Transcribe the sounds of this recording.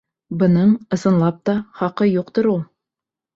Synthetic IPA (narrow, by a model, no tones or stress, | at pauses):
bɤ̆nɤɴɤ̆sɤ̆nlˠɑp̚t̪ɑχɑqɤjuqt̪oɾulˠ